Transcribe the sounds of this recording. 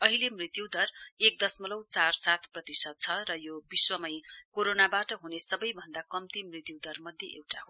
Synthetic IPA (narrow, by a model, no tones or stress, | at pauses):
ʌɦilemrit̪juwd̪ʌrek̚d̪ʌsmʌlʌwt͡sarsat̪ʰprʌt̪isʌd̪̚t͡sʰʌrʌjobiswʌmʌjkoɾonabaʈʌɦunesʌbʌjbʱʌnd̪akʌmt̪imrit̪jud̪ʌrmʌd̪ʱjeʔewʈaɦo